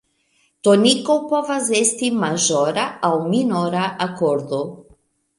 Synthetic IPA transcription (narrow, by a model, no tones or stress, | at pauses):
t̪onikowpɔvazest̪imaʒɔɾaawminɔɾaʔakɔɾd̪o